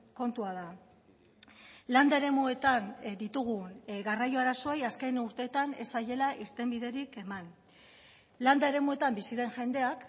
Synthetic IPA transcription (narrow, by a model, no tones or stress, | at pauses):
ko̞nt̪uað̞a | land̪ae̞ɾe̞mue̞t̪and̪it̪uɣ̞unɣarajo̞aɾaso̞ejaskejnuɾt̪e̞ːt̪ane̞saje̞laʔiɾt̪e̞mbiðe̞ɾike̞man | land̪ae̞ɾe̞mue̞t̪ambisiðe̞nʝe̞nd̪e̞ak